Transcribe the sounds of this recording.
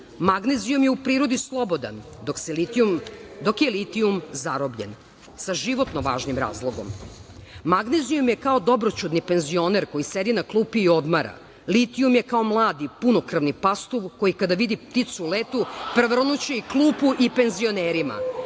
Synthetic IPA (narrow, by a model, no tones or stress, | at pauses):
maɡnezijumjeupɾiːɾo̞d̪islˠo̞bo̞d̪a̰nd̪okseliumd̪o̞kjelit̪iumzaɾobʎḛn | saʒiʋo̞t̪noʋa̰ːʒnimɾa̰ːzlˠoɡo̞̰m | maɡnezijumjekaod̪o̞bɾot͡ɕud̪nipe̞nzio̞neɾko̞jised̪inaklˠuːpiːo̞d̪maɾa̰ | lit̪iumjekao̞mlˠaːd̪ipuno̞kr̩ʋnipast̪uʋko̞jikad̪aʋid̪ipt̪it̪sulet̪upr̩ʋr̩nut͡ɕeiklˠuːpuʔipe̞nzio̞neːɾima̰